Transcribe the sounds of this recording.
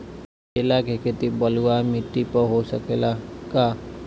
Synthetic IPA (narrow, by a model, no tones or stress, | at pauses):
elakekʰet̪ibəluamiʈːipəɦosəkelakaː